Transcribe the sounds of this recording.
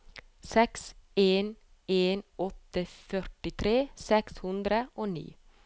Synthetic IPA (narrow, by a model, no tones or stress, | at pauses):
sɛkseːn | eːnɔt̪əfœʈɪt̪ʰɾeːsɛkshʉnd̪ɾəʔoːnḭː